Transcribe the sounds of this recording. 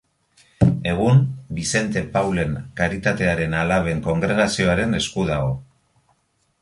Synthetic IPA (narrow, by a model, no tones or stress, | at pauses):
e̞ɣ̞unbise̞nt̪e̞pawle̞ŋkaɾit̪at̪e̞aɾe̞nalaβ̞e̞ŋko̞ŋɡɾe̞ɣasio̞aɾe̞ne̞skuðaɣo̞